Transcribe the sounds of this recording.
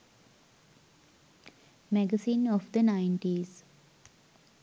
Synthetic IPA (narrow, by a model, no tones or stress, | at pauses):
mɛɡəsĩːnɔʋd̪ənãɪ̃ɳʈiz